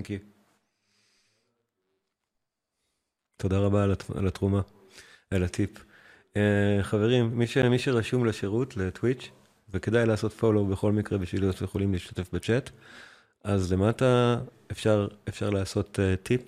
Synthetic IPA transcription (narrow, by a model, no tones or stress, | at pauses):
ki | t̪ʰo̞daʁabaa̰lat̪ʁuma | alat̪ʰip | eχave̞ʁimːiʃemiʃeʁaʃumleʃeʁutle̞twit͡ʃ | veke̞d̪ajlaːso̞tfolobe̞χo̞lmikʁebiʃviljot̪jeχo̞limliːʃt̪ḁte̞fbet͡ʃe̞t | ʔazle̞mata | efʃaʁefʃaʁlaːso̞tetːip